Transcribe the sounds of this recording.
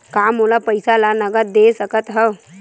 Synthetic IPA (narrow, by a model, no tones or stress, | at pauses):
kaːmoːlapəɪsalanəɡəɾd̪esəkət̪ɦə